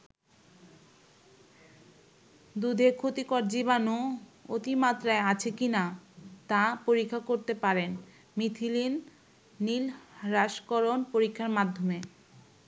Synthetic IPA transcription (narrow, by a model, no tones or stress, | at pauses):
d̪ud̪ʱekʰot̪ikɔɾd͡ʑibanoot̪imat̪ɾaeat͡ɕʰekinat̪ãpoɾikʰːakoɾt̪epaɾen | mit̪ʰilinː | ilɾaʃkɔɾonpoɾikʰːaɾmad̪ʱːome